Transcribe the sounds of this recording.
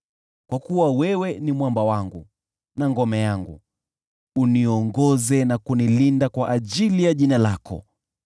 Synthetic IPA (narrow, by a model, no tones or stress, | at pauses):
kwakuwawɛwɛnimwambawaŋɡu | naŋɡɔmɛjaŋɡṵ | uniɔŋɡɔzɛnakunilindakwaʔaʄilijaʄinalakɔ̰